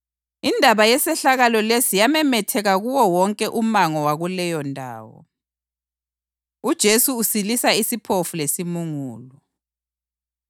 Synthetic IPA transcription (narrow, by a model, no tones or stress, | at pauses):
indʱaβajɛsɛɬaɣalɔlesijamɛmɛtʰɛɣaɣuwɔwɔŋkʼɛʔumaŋɔwaɣulɛjɔndʱa̰ːwɔ̰ | ud̥ʒ̥ʱesuːsilisaisipʰofulesimuŋuːlɔ